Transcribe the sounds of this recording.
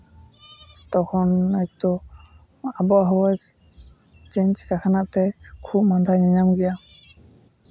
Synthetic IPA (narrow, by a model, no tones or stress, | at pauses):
tɔkʰɔnajtɔ | abɔaɦɔwaz | t͡ʃɛɲt͡ʃkakʰanaʔtɛkʰup̚mand̪ʱaɲaɲamɡija